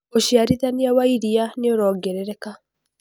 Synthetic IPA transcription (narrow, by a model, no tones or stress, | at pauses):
oʃiaɾiðaniawaiɾianeoɾɔːɡɛɾɛɾɛka